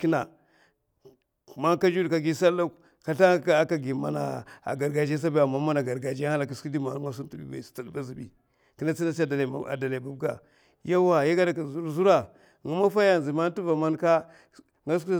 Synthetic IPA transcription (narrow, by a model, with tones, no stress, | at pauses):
ki˦na˨ | ma˦ŋka˦d͡ʒu˦dka˨ɡi˦sa˦lːa˦ | ka˨ɬa˦ka˨ɡi˨ma̰˨na̰˨a̰˨ɡa˨ɾɡa˨d͡ʒa˦s̬a˦ba˦a˨mːa˦ma˦na˨ɡa˨ɾɡa˨d͡ʒa˦ha˦la˨ki˨si˦di˦ma˨n˦ŋa˦s̬u˦ntu˦bḭ˦ba̰̥˨ta˨dba˦zi˨bḭ˨ | ki˦na˦t͡si˦na˦s̬i˦a˦˨da˨l̰a̰˨da˨la˨ba˨bɡa̰˨ | ja˦wa˨ja˦ɡa˦da˨ki˨zu˨ɾzu˦ɾa˦ | ŋu˨˦ma˦fa˦ja˦n˨zi˨ma˦n˦tu˦va˨ma˦nka˦ | ŋɡa˦s̬u˦˨